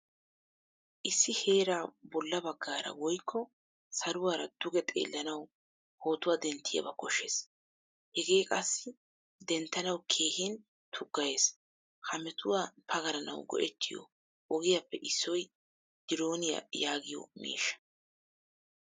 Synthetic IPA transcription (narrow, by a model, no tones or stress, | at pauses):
ʔɪsːɪhe̞ːɾaːbɔlːɐbɐɡːaːɾɐ̰wɔjkʰːɔ | sɐɾʊwaːɾɐd̪̥ʊɡɛt̪ʼḛːlːɐnɐw | ho̞ːt̪ʊwaːd̪ɛnt̪ʰːɪjɐ̰bɐkɔʃːeːs | hɛɡe̞ːkʼɐsːɪ | d̪ɛnt̪ːɐnɐwkʰeːhɪn | t̪ʰʊɡːɐje̞ːs | hɐmɛt̪ʰʊwapʰɐɡɐɾɐnɐ̰wɡɔ̰ʔɛt̪ʰːɪjɔ̰ | ɔɡɪjɐpːɛʔɪsːɔj | d̪̥ɪɾo̞ːnɪjɐ̰jaːɡɪjɔ̰mḭːʃːɐ̥